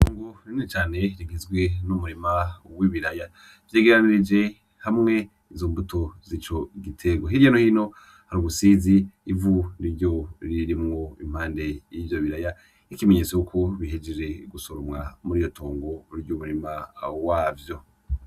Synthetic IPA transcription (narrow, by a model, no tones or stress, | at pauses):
tʰoːŋɡoɾinit͡ʃaːne̞ɾiŋizɡwe̞numuɾimawiβiɾaja | vjeːɡeɾaniɾid͡ʒe̞ | hamŋe̞ | izombutʰo̞zit͡ʃo̞ɡitʰe̞ɡo̞ɦiɾjanohino̞ | haɾuɡusiːziːvuɾiɾɟo̞ɾiɾimŋo̞ḭm̥haːnde̞jivjo̞βiɾaja | ikimeɲet͡sejukʰo̞βiɦed͡ʒeɾe̞ɡusoɾomŋamuɾijo̞tʰoːŋɡoɾiɾɟumuɾimawaːvjo̞